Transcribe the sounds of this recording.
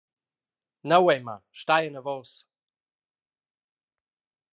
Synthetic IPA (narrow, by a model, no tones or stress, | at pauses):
nawɛjma̰ʃt̪ajənəvɔːs